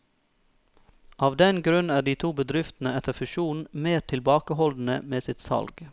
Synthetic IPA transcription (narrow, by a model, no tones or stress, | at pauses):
ʔɑːʋd̪ɛnɡɾʉnæːɖiːt̪ʰuːbəd̪ɾɪft̪n̩əɛt̪əfʉʃuːn̩meːɾt̪ʰɪlbɑːkəhɔld̪n̩əmeːsɪt̪sɑ̰lɡ